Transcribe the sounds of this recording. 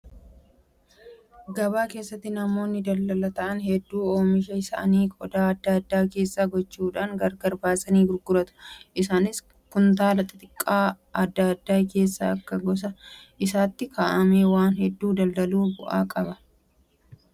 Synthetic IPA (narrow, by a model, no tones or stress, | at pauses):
ɡɐβaːke̞ːsːɐt̪ːɪnɐmo̞ːnːɪd̪ɐld̪ɐlɐt̪ɐʔɐnhɛd̪ːuːo̞ːmɪʃɐɪsɐʔɐniːkʼɔd̪aːɐd̪ːɐːɐd̪ːaːke̞ːsːaːɡɔt͡ʃːuːᶑaːŋɡɐɾɡɐɾbaːsɐniːɡʊɾɡʊɾɐt̪ʊ̥ʔɪsaːnɪs | kʊnt̪aːlɐt̪ʼɪt̪ʼɪkʼːaː | ɐd̪ːaɐd̪ːaːke̞ːsːa̰ɐkːɐɡɔs̬ɐʔɪsaːt̪ːɪkaːʔɐmeːwaːnɦɛd̪ːuːd̪ɐld̪ɐluːbʊʔa̰ːkʼɐbɐ